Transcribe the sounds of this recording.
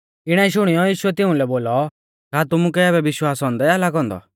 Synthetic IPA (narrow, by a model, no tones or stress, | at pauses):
ɪɽ̃aiʃ̬ʊɽ̃ijɔjiːʃʊɛt̪ɪʊ̃lɛboːlɔ | kaːt̪ʊmukɛɛːbɛʋɪʃwaːsɦɔ̃ːnd̪ɛalaɡɔ̃nd̪ɔ̰